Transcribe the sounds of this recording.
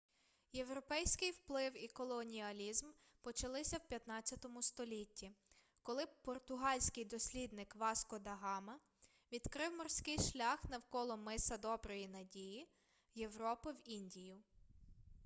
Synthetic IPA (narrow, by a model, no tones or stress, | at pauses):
je̞wɾɔpɛjsʲkɪjwplˠɪwikɔlˠɔnʲiɐlʲizm | pɔt͡ʃɐlˠɪsʲɐwpʲjɐt̪nɑt͡sʲːɐt̪ɔmʊst̪ɔlʲitʲːi | kɔlˠɪpɔrt̪ʊɦɑlʲsʲkɪjd̪ɔsʲlʲid̪nɪkʋɑskɔd̪ɐɦɑmɐ | ʋʲid̪̥kɾɪwmɔrsʲkɪjʃlʲɑxnɐwkɔlˠɔmɪsɐd̪ɔbɾɔjinɐdʲiji | je̞wɾɔpɪwinʲdʲijʊ